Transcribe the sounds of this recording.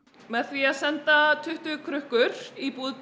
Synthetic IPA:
mɛðθviaðsɛnt̪at̪ʰʏht̪ʏkʰɾʏhkʏɾipuːð

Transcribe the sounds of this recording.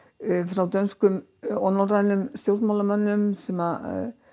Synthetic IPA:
fɾawt̪œnskʏmɔnɔrajnʏmst̪jowɾt̪mawlamœnːʏmsɛma

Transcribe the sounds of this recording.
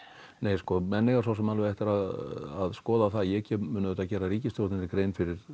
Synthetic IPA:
neːjskɔmɛnːɪɣaɾs̬awsɛmalvɪɛht̪ɪɾaðaðskɔːðaθaðjɛcɛːmʏːnʏðɛːt̪acɛːɾariːcɪst̪jowɾt̪ɪnɪkɾeːjnfɪɾɪɾ̥

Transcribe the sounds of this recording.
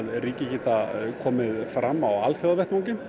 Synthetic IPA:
ðɾiːcɪcɛːt̪akʰɔːmɪðfɾamːawalθjowðvɛht̪ɔcɪm

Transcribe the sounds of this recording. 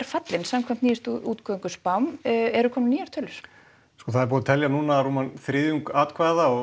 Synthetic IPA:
ɾ̥fat̪lɪnsamkʰvam̥t̪niːɪst̪uːt̪kʰœŋkʏspawmɛɾʏkʰɔːmnniːjaɾt̪ʰœːlʏɾ̥ | skɔːθaðɛɾpɔːðɪt̪ʰɛljanuːnaruːmanθɾɪːðjuŋkaːt̪kʰvaːðaɔ

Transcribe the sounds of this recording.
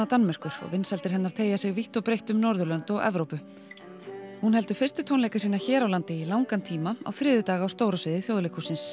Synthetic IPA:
at̪anmɛr̥kʏɾ̥ɔ̰vɪnsɛlt̪ɪɾ̥ɦɛnːaɾ̥t̪ʰeːjasɪɣviht̪ɔwpɾejht̪ʏmnɔɾðʏlœnt̪ɔɣɛ̰vɾowpʏ | hunhɦɛlt̪ʏ̥fɪr̥st̪ʏt̪ʰownlejkasiːnaçɛːɾawlant̪ɪilawŋkant̪ʰiːmaa̰wθɾɪːðʏt̪aːɣawst̪oːwɾasvɪːðɪθjowðlejkʰusɪns

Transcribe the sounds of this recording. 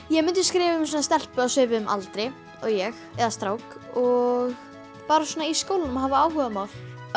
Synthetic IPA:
jɛmʏnt̪ʏskɾɪːvɪʏmsɔːnast̪ɛl̥pʏasʏːvɪʏmʔa̰lt̪ɾɪj | ɔɣjɛxɛðast̪ɾaːwkɔɣ | paːɾasɔːnaiskowlnʏmɦavaaːwhʏðamawl̥

